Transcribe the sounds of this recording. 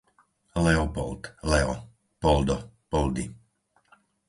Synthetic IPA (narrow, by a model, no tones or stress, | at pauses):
lɛɔpɔ̰lt̪lɛɔ̰ | pɔld̪ɔpɔld̪i